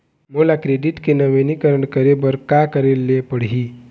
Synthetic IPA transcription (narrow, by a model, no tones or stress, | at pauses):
molakɾeɖɪʈkenəʋenikəɾəɳkəɾebəɾkakəɾelːepəɽ̤i